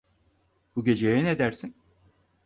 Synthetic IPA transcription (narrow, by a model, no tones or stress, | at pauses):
b̥uɟʲe̞d͡ʒejɛned̪æɾsin